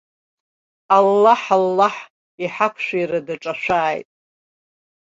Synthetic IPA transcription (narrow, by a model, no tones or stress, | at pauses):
alːaħalːaħ | iħapʷʰʃʷᶣajɾadaʈ͡ʂʼaʃᶣʷaːjtʼ